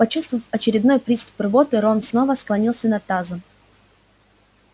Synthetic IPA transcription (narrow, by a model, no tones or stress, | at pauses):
pɐt͡ɕust̪vvəfɐt͡ɕɪɾʲɪd̪nojpɾʲist̪ʊ̥prɨbot̪ɨɾonsno̞vəsklˠɐnʲilˠsʲənɐt̪azɨ